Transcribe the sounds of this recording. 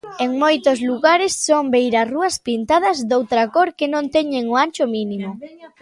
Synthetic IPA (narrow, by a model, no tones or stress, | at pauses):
eŋmojt̪ʊzluɣaɾɪsːombejɾɐsruɐspint̪að̞ɐzd̪owt̪ɾɐkoɾkenõnt̪ɛɲeŋoanʲt͡ʃʊminimʊ